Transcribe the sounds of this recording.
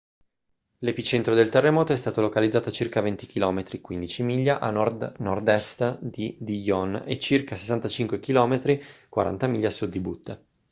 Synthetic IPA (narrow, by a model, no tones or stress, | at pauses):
lepit͡ʃent̪ɾod̪elt̪erːemɔːt̪oɛst̪aːt̪olokalid̪zːaːt̪ot͡ʃirkavent̪ik̟ilɔːmet̪ɾikwind̪it͡ʃimiʎːaʔanɔd̪nɔrd̪ɛst̪d̪id̪ijɔnḛt͡ʃːirkase̥sːant̪at͡ʃiŋkwekilɔːmet̪ɾikwa̰ɾʔa̰nt̪amiʎːasud̪ːibut̪ːe